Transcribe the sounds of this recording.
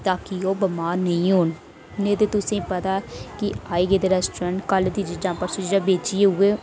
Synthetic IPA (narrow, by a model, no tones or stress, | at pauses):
t̪ãːkioːbəmaːɾnəĩːɦoːn | nẽːd̪eːt̪ʊsẽːpət̪aːkɪaːiːɡeːd̪eːɾɛsʈɾə̃ɳʈkəld̪iːd͡ʒɪd͡ʒãːpəɾsɪd͡ʒd͡ʒãːbeːt͡ʃieɦʊeː